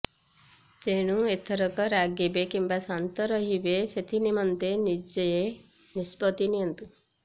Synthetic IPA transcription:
t̪eɽ̃ũet̪ʰəɾɔkɔɾaɡjibekimbasant̪ɔɾʌɦibeset̪ʰinimʌnt̪enid͡ʒeje | nispɔt̪inijʌnt̪u

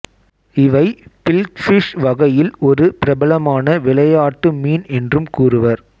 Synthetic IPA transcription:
ɪʋɐɪpɪlkfɪʂʋɐɣɐjɪlɔɾɯpɪɾɐbɐɭɐmaːnɐʋɪɭɐjaːʈːɯmiːnɛndrɯmkuːrɯʋɐɾ

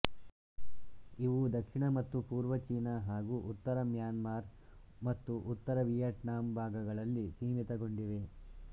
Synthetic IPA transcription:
iʋud̪ɐkʂiɳɐmɐt̪ːupuːɾʋɐt͡ʃiːnɐɦaːɡuʔut̪ːɐɾɐmjaːnmaːɾ | mɐt̪ːuʔut̪ːɐɾɐʋijɐʈnaːmbʱaːɡɐɡɐɭɐlːisiːmit̪ɐɡo̞ɳɖiʋe̞

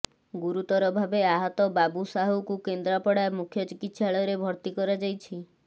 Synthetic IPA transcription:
ɡuɾut̪ɔɾɔbʱabeaɦɔt̪ɔbabusaɦukukend̪ɾapɔɽamukʰjɔt͡ʃikit̪ʃʰaɭɔɾebʱɔɾt̪ikɔɾad͡ʒajt͡ʃʰi

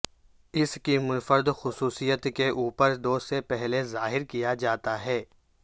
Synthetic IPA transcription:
ɪskimʊnfəɾd̪xʊsuːsijət̪keʔuːpəɾd̪oːsepɛɦlezaːɦɪɾkijad͡ʒaːt̪aɦɛː

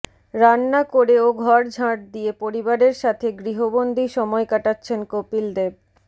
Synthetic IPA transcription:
ɾanːakoɾeoɡʱɔɾd͡ʑʱãʈ̚d̪iepoɾibaɾeɾʃat̪ʰeɡɾiɦobond̪ʱiʃɔmɔekaʈatːɕʰenkopild̪eb̚

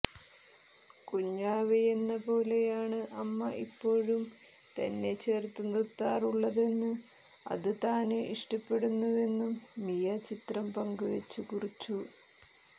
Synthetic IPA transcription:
kuɲːaːʋejenːɐpo̞ːle̞jaːɳɨʔɐmːɐʔipːo̞ːɻum | t̪ɐ̰nːe̞t͡ɕe̞ːrt̪ːunːɐt̪ːaːruɭːɐðe̞nːɨ | ɐ̰ðɨt̪aːnɨʔiʂʈɐpːe̞ɽunːuʋe̞nːumːijɐt͡ɕit̪rɐmpɐŋɡuʋet͡ɕːukurit͡ɕːu

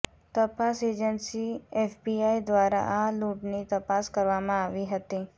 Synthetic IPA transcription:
t̪əpased͡ʒənsiefbiaid̪ʋaɾa̰ʔaluʈnit̪əpaskəɾʋamãaʋiɦət̪i

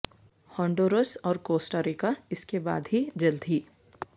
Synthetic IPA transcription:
hɔ̃ːɳɖoːɾosɔːɾkoːsʈaːɾikaɪskeba̰ːd̪ɦid͡ʒɐld̪ʱiː

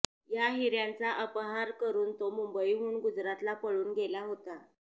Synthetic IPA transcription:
jaɦiɾjant͡saʔəpɦaɾkəɾuːnt̪omumbəiɦuːɳɡud͡zɾat̪lapəɭuːnɡelaɦot̪a

